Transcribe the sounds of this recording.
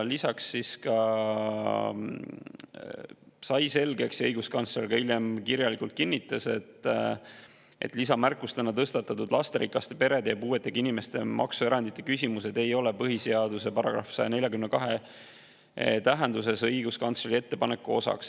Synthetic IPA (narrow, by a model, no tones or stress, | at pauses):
lisɑksːiskɑ | sɑjse̞lɡe̞ksɤjɡ̥uskɑnt̪slelɡ̥ɑiljemkiɾjɑlikult̪̚kinːit̪ːˑɑse̞t̪ˑː | ʔe̞̰t̪lisɑmærkːˑust̪enːɑt̪ɤst̪ɑt̪ːˑɑt̪ːud̪lɑst̪eɾikːˑɑst̪epe̞ɾe̞d̪epuːe̞t̪ːˑeɡ̥ɑinime̞st̪e̞̰mʔɑ̰ksue̞ɾɑnd̪̥it̪ˑːekysʲimuse̞d̪e̞jo̞lepɤɦiseɑd̪̥use̞pɑɾɑ̰ɡ̥ɾɑ̰fsɑjeɑnelʲjɑkymnekɑɦe̞ | t̪æɦe̞nd̪use̞sɤjɡ̥uskɑnt̪sleɾie̞t̪ːe̞pɑne̞kːˑuo̞sɑ̰ks